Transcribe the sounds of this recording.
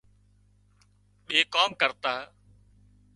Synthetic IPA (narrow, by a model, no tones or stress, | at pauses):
ɓeːkoːmkəɾt̪aː